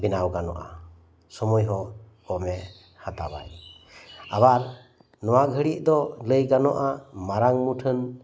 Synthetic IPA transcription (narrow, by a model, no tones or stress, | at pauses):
binawɡanɔ̰ʔa̰ | sɔmɔjɦɔ | ɔmɛ | hət̪a̰ba̰j | a̰baɾ | nɔwaɡʱəɽiʔ̚d̪ɔləjɡanɔʔamaɾaŋmuʈʰən